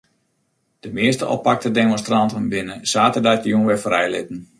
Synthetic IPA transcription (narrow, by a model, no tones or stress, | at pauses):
d̥əmɪəstəʔɔ̰pak̚tədemɔ̃nstrɑntənbɪnəsaːtədatjunʋɛfrɛjlɪ̰tən̩